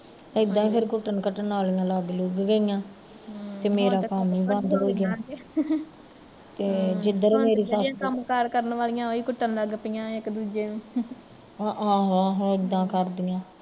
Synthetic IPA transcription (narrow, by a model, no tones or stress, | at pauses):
ɪd̪ãːiːpʰɪɾkʊt̪ənkəʈənaːlijãːlaɡluːɡːəɪjãː | t̪eːmeːɾaːkəmiːband̪əɾoːɡjaː | t̪eːd͡ʒɪd̪əɾmeːɾiːsaːskəmkaɾkəɾənʋaːlɪjãːoiːkʊʈːənləɡpijãːɪkd̪uːd͡ʒeːñː | ɦããːɦãːɦãːɪd̪ːãːkəɾd̪ɪjãː